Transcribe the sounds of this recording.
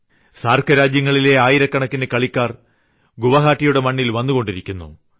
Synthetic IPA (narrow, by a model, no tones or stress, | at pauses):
saːrkʰɐɾaːd͡ʑjɐŋːɐɭile̞aːjiɾɐkːɐɳɐkːinekɐɭikʲːaːr | ɡuʋɐɦaːʈːijuɽe̞mɐɳːilʋɐnːuɣo̞ɳɖiɾikʲːunːṵ